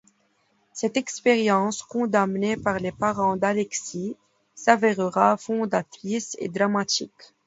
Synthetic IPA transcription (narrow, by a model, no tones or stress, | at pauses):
sɛt̪ɛkspɛʁjɑ̃skɔ̃d̪amnepaʁlepaʁɑ̃d̪alɛksi | savɛʁəʁafɔ̃d̪at̪χisḛd̪ʁamat̪ḭk